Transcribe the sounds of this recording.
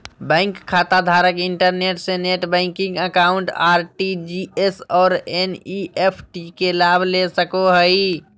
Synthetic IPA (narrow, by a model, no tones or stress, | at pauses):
bə̃ŋkkʰːat̪ad̪ʱaɾəkiɳʈəɾneʈsẽneʈbə̃ɪŋkĩŋɡəkauɳʈaɾʈid͡ʒiesɔːɾeniepʰʈikelabʱlesəkoɦəj